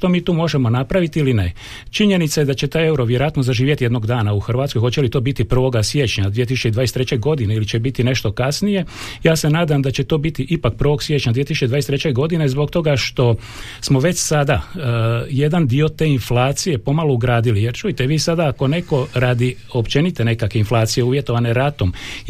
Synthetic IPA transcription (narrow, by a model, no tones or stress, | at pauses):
t̪omiːt̪uːmo̞ʒemo̞napɾaʋit̪iiline̞ | t͡ʃiɲenit̪sajed̪at͡ɕe̞t̪aːje̞uɾo̞ʋjeɾojat̪nozaʒiːʋjet̪ijed̪noɡd̪aːnauxrʋaːt̪sko̞jxo̞t͡ɕe̞lit̪o̞ːbit̪ipr̩ʋo̞ɡasje̞t͡ɕɲad̪ʋieisu̥t͡ʃed̪aːjest̪ɾet͡ɕe̞ɡo̞d̪ineilit͡ɕe̞bit̪ine̞ʃt̪o̞kasnije̞jaːse̞naːd̪amd̪at͡ɕet̪o̞ːbit̪iʔipak̚pr̩ʋo̞ɡsʋje̞t͡ʃɲad̪ʋiet̪isut͡ʃeʋaːest̪ɾet͡ɕe̞ɡo̞d̪ine̞zbo̞kt̪o̞ɡaʃt̪o̞ | smo̞ʋe̞t͡ɕsad̪a | je̞d̪and̪io̞t̪e̞ːinflaːt̪sijepo̞malouɡɾaːd̪ilije̞ɾt͡ʃujit̪eʋiːsad̪aːko̞ne̞ko̞ɾaːd̪i | o̞pt͡ʃe̞nit̪ene̞kakʋe̞inflˠaːt̪sije̞uːʋje̞t̪o̞ʋaneɾat̪om